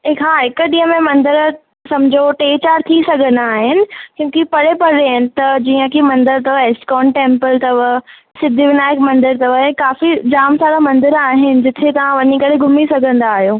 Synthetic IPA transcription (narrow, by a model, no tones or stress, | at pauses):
ɪkɦaːɦɪkʊ̆ɗiːə̃mẽmɐ̃nd̪ɪɾ | sɐmd͡ʑʱoʈeːt͡ɕaːɾt̪ʰisɐɡʱə̃nd̪aːɦɪnɪ̆kjũːkipɐɽepɐɽeɪnɪ̆t̪ɐd͡ʑiːə̃kʰimɐ̃nd̪ɪɾt̪ɐʋəɪskɔːnʈẽːmpəlt̪ɐʋə | sɪd̪ʱiʋɪnaːɪkmɐ̃nd̪ɪɾt̪ɐʋəkaːfid͡ʑaːmsaːɾamɐ̃nd̪ɪɾaːɦɪnɪ̆d͡ʑɪt̪ʰet̪ɐʋ̤ãʋɐɲikɐɽ̤eɡʱʊmisɐɡʱə̃nd̪aːɦijoː